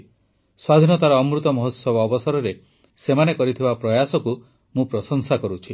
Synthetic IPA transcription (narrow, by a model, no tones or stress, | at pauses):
swad̪ʱinɔt̪aɾɔːmɾut̪ɔmɔɦɔt̪sɔbɔːbɔsaɾɔɾe | semanekɔɾit̪ʰibapɾɔjasɔku | mũpɾɔsɔŋsakɔɾut͡ʃʰi